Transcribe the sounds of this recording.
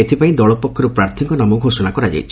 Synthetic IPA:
et̪ʰipaĩd̪ɔɭɔpɔkʰːɔɾupɾaɾt̪ʰiŋkɔnamɔɡʱosɔnakɔɾad͡ʒa̰jt͡ʃʰi

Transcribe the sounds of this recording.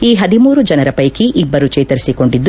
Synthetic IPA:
iːɦɐd̪imuːɾud͡ʒɐnɐɾɐpɐjkiʔibːɐɾut͡ʃɛːt̪ɐɾisiko̞ɳɖid̪ː

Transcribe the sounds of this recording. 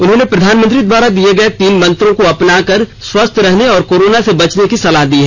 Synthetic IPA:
ʊnɦõːnepɾɐd̪ʱaːnmə̃nt̪ɾid̪waːɾad̪ieɡɐet̪iːnmɐ̃nt̪ɾõkoɐpnaːkɐɾswɐst̪ʰɾɐɦneɔːɾkoːɾoːnasebɐt͡ʃnekisɐlaɦd̪iːɦɛː

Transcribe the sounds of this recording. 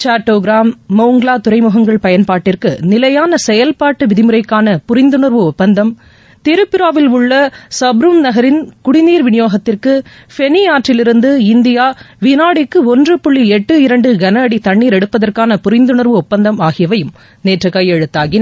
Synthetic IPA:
t͡ʃaːʈːoːɡɾaːmːɐʊŋɡlaːt̪ʊɾɐɪmɯɣɐŋɡɐɭpɐjɐnpaːʈːɪrkɯnɪlɐjaːnɐsɛjɐlpaːʈːɯʋɪðɪmɯɾɐɪkːaːnɐpʊɾɪnd̪ɯɳɐɾʋɯɔpːɐnd̪ɐm | t̪ɪɾɯpːɪɾaːʋɪlʊɭːɐsɐbɾɯmnɐɣɐɾɪnkʊɽɪniːɾʋɪnɪjoːɣɐt̪ːɪrkɯ | fɛniaːʈrɪlɪɾɯnd̪ɯɪnd̪ɪjaː | ʋɪnaːɽɪkːɯɔndrɯpʊɭːiɛʈːɯɪɾɐɳɖɯɡɐnɐɐɽit̪ɐɳːiːɾɛɽɯpːɐðɐrkaːnɐpʊɾɪnd̪ɯɳɐɾʋɯɔpːɐnd̪ɐmaːɣɪjɐʋɐjɯm | neːʈrɐkːɐjɛɻɯt̪ːaːɣɪnɐ

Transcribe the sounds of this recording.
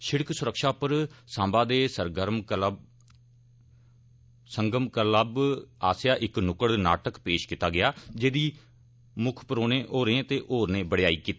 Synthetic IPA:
ʃɪɽksʊɾəkʃaːpəɾsãːmbãːd̪eːsəɾɡəɾm | səŋɡəmkələbaːsjaːʔɪknʊkəɽna̰ːʈəkpeːʃkɪt̪aːɡɪjaːd͡ʒeːd̪iː | mʊkʰpəɾoːnẽːʔoːɾẽt̪eːʔoːɾnẽːbəɽjaːiːkiːt̪ː

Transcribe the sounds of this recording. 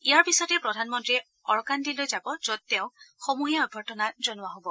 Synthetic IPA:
ijaɹpisɔɔjtɛpɹɔdʱanmɔntɹiɛ | ɔɹkandilojzabɔzɔd̚tɛʊ̃xomuɦijaɔd̚bʱɔtɔnazɔnʊwaɦobɔ

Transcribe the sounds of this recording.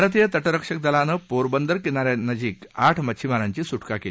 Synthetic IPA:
ɾət̪ijət̪əʈəɾəkʂək̚d̪əlanəpoɾbənd̪əɾkinaɾjanəd͡ʑiːkaʈʰmət͡ɕʰimaɾaɲt͡ɕiːsuʈkakeli

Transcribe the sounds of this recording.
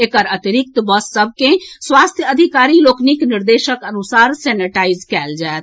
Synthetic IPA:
ekəɾət̪iɾik̚t̪əbəsːəbʱkẽswast̪ʰjəəd̪ʱikaɾiloknikniɾd̪eʃəkənusaɾsɛniʈaid͡ʒkɛld͡ʒaet̪

